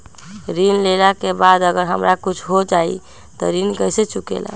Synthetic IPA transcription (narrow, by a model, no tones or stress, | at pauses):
ɾinlelakebad̪əɡəɾɦəmɾakut͡ʃʰɦod͡ʒaḭ | t̪ɔ̰ɾinkəjset͡ʃukḛla̰